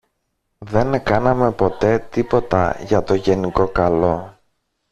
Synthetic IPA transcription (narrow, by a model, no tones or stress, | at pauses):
ðe̞nkɐnɐme̞po̞t̪e̞t̪ipo̞t̪ɐ̰ʝɐt̪o̞ʝe̞niko̞kɐlo̞